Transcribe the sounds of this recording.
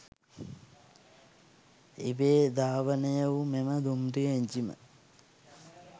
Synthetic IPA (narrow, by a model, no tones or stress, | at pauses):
ibeːd̪aːʋənejəʋumeməd̪umɖieɲd͡ʒimə̰